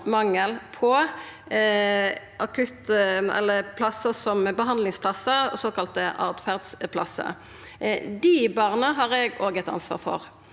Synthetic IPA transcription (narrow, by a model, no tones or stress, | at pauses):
mɑŋːəlpʰɔ | ʔɑkʰʉt̪ɛ̰lːəpʰlɑsəsɔmbəɦɑnlɪŋspʰlɑsəɔ̰soːkɑlt̪əʔɑ̰ʁd̪fæʁd̪spʰlɑsːə̰ | d̪ibɑʁnəɦɑːʁɛɡoːɡət̪ɑ̰nsʋɑ̰ːʁfɔ̰ʁ